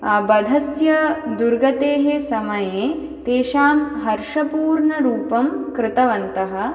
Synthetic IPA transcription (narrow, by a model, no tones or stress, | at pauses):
ɐbɐd̪ʱɐsjɐd̪uɾɡɐt̪eːɦesɐmɐjeː | t̪eːʃaːmɦɐɾʂɐpuːɾɳɐɾuːpɐmkɾɪt̪ɐʋɐnt̪ɐɦɐ̆